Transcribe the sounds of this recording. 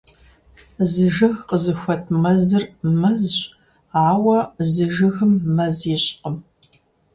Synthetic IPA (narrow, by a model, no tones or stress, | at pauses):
zɨʒɨɣqəzɨxʷɐtʰmɐzɨrmɐzɕ | aːwɐzɨʒɨɣɨmːɐzɪɕʼqəm